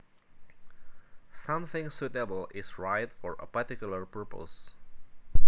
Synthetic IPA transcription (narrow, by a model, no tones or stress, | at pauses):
sʌ̃mθɪ̃ŋsutəbəlˠɪsɹaɪtfɔɹə̰pəɹtɪkjul̩ˠəɹpʰɜɹpə̰s